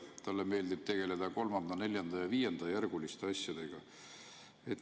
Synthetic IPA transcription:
t̪ɑlːeme̞ːld̪ib̥̚t̪e̞ɡ̥e̞le̞d̪̥ɑko̞lmɑnd̪ɑne̞lʲjɑnd̪̥ɑjɑviːjend̪̥ɑjærɡ̥ulist̪eɑsʲjɑd̪̥e̞ɡ̥ɑ | e̞t̪ː

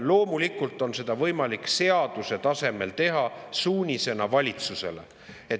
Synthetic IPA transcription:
lo̞ːmulikːˑult̪ːˑo̞nse̞d̪̥ɑvɤ̞jmɑlikse̞ɑd̪̥use̞t̪ɑse̞me̞lt̪e̞ɦɑsuːnʲise̞nɑvɑlʲit̪suse̞̰le | e

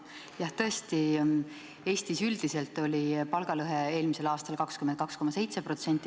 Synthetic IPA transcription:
jɑht̪ɤe̞st̪i | e̞ːst̪isyld̪̥ise̞lt̪ːˑo̞lʲipɑlɡ̥ɑlɤɦee̞ːlmise̞lɑːst̪ɑlkɑkskymen̚kɑksko̞mɑse̞jt̪se̞pro̞t̪se̞nʲt̪ːˑi

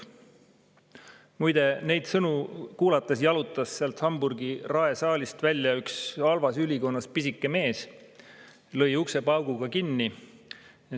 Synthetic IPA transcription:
mujd̪̥e̞ne̞jd̪sɤnukuːlɑt̪ːˑesjɑlut̪ˑːɑsːeɑlt̪hɑmburɡirɑe̞sɑːlʲist̪vælʲːjɑyksɑlvɑsylʲiko̞nːɑspisikˑːe̞me̞ːs | lɤ̞jukse̞pɑwɡ̥uɡ̥ɑkinːi

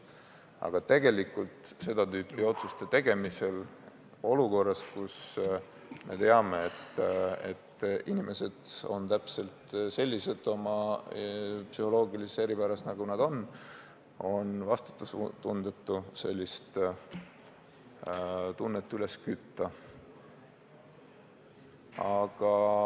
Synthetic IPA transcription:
ɑ̰ɡ̥ɑt̪e̞ɡe̞likːˑult̪se̞d̪̥ɑt̪yːpˑːio̞t̪sust̪et̪e̞ɡ̥e̞mise̞l | o̞luko̞rːɑskus | me̞̰t̪e̞ɑme̞et̪ḛt̪ːinime̞se̞d̪̥o̞̰nt̪æpse̞lt̪se̞lʲːise̞t̪ːˑo̞mɑ | psyho̞lo̞ːɡilisese̞ɾipæɾɑsnɑɡunɑd̪o̞n | o̞nvɑst̪u̥t̪ːˑust̪und̪et̪ːˑuse̞lʲːist̪ | t̪unːet̪ːˑyle̞skyt̪ːɑ | ɑɡ̥ɑ

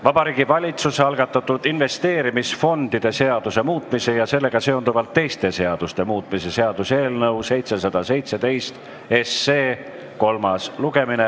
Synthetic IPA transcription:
vɑbɑɾiːɡ̥ivɑlʲit̪suseɑlɡ̥ɑt̪ːˑɑt̪ːˑud̪̥inve̞st̪e̞ːɾimisfo̞nd̪id̪̥e̞se̞ɑd̪̥use̞muːt̪ˑmise̞jɑse̞lːe̞ɡ̥ɑse̞o̞nd̪uvɑlt̪ːe̞jst̪e̞se̞ɑd̪̥ust̪e̞muːt̪ːˑmise̞se̞ɑd̪̥use̞ːlnɤwse̞jt̪se̞sɑd̪̥ɑse̞jt̪se̞d̪̥e̞jst̪ | e̞sːeː | ko̞lmɑsluɡ̥e̞mine

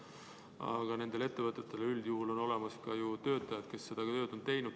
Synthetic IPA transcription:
ɑ̰ɡ̥ɑne̞nd̪e̞le̞t̪ːe̞vɤt̪ːˑet̪ːˑe̞leyld̪̥juhulo̞no̞le̞mɑskɑjut̪ø̞ːt̪ːˑɑjɑd̪̥ke̞sːe̞d̪̥ɑkɑt̪ø̞ːd̪̥ont̪e̞jnud̪̥

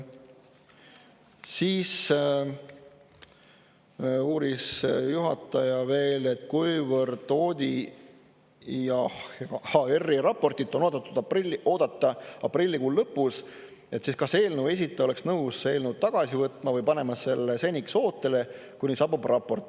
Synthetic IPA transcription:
siːs | uːɾisjuɦɑt̪ːˑɑjɑve̞ːle̞t̪ːˑkujvərd̪̥o̞ːd̪̥ʲi | jɑhɑerːiɾɑpːo̞rt̪it̪ːˑono̞ːd̪ɑt̪ːˑud̪̥ilːo̞ːd̪̥ɑt̪ːɑɑprilʲːikuːlːɤpːˑus | e̞t̪ːˑsiskɑse̞ːlnuwe̞s̬ʲit̪ːˑeo̞leksnɤwse̞ːlnəwd̪̚t̪ɑɡ̥ɑsivɤt̪ˑmɑvɤjpɑne̞mɑse̞lːesenʲikso̞ːt̪ːˑe̞le̞ | kunʲisɑbub̥rɑpːo̞rt̪ːˑ

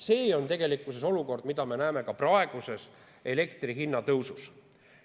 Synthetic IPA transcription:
se̞ːo̞nt̪e̞ɡ̥e̞likːˑuseso̞luko̞rd̪mid̪̥ɑme̞næːme̞kɑprɑeɡ̥use̞s | e̞le̞kt̪riɦinːɑt̪ɤwsus

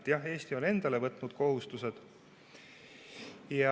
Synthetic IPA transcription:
t̪jɑhe̞ːst̪io̞ne̞nd̪̥ɑle̞vɤt̪ːˑnud̪̥ko̞ɦust̪use̞d̪̥ | jɑ

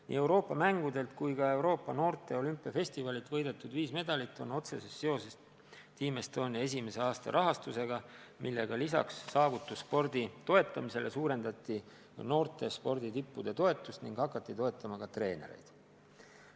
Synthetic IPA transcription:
nḭːe̞wɾo̞ːpːˑɑmæŋɡ̥ud̪e̞lt̪kujkɑe̞wɾo̞ːpˑːɑno̞ːrt̪ˑe̞o̞lympːˑiɑfe̞sʲt̪ivɑlit̪ːˑvɤ̞jd̪e̞t̪ːˑud̪viːsme̞d̪̥ɑlit̪ːˑo̞no̞t̪se̞sesːe̞o̞ses | t̪iːmest̪o̞ːnʲie̞s̬ʲime̞se̞ɑːst̪ɑ̰ɾʔɑɦɑst̪use̞ɡɑ | milːe̞̰ɡ̥ɑlisɑ̰ksːɑːvut̪ːˑusːpo̞rd̪it̪o̞e̞t̪ːˑɑmise̞lʔe̞suːɾe̞nd̪ɑt̪ːi | no̞ːrt̪ˑe̞spo̞rd̪it̪ipːud̪̥e̞t̪o̞e̞t̪ːˑust̪niŋɡ̥hɑkːˑɑt̪ˑːit̪o̞et̪ːˑɑmɑkɑt̪re̞ːne̞̰ɾe̞̰jd̪̥

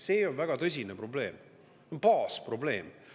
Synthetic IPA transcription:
se̞ːo̞nvæɡ̥ɑt̪ɤs̬ʲinepro̞ble̞ːm | onpɑːspro̞ble̞ːm

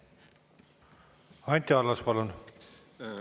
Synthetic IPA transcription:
ɑnʲt̪ʲiɑlːɑspɑlun

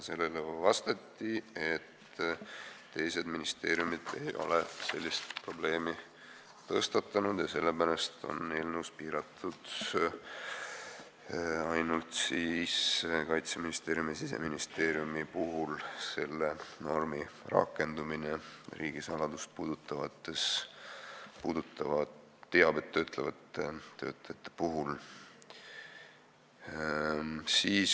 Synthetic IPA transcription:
se̞lːelevɑst̪et̪ːie̞t̪ | e̞jse̞d̪minist̪e̞ːɾjumid̪̥e̞jo̞̰lese̞lʲːist̪pro̞ble̞ːmi | t̪ɤst̪ɑt̪ːˑɑnud̪̥jɑse̞lːepælest̪o̞̰nːelnuwspiːɾɑt̪ʰːud̪̥ | ɑjnult̪siːskɑjt̪seminist̪e̞ːɾjumisise̞̰minist̪e̞ːɾjumipuɦulse̞lːeno̞rmirɑ̰kːˑe̞nd̪umineriːɡ̥isɑlɑd̪ust̪̚puːd̪̥ut̪ːˑɑvɑt̪ːˑe̞s | puːd̪ut̪ˑːɑvɑ | t̪ːeɑb̥e̞t̪ːøːt̪ʰˑlevɑt̪ˑːeø̞̰ːt̪ːˑejɑt̪ˑːe̥puɦul | siːs

